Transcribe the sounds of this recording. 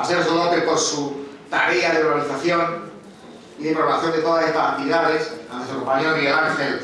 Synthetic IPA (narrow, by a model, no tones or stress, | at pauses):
aseɾsolopeposu | t̪a̰ɾeaðeuɾβaliθaθjo̞n | iðepɾoɣaθjo̞nd̪e̞t̪o̞ðasest̪asant̪iðaðesanest̪ɾkompaɲoŋielaŋxel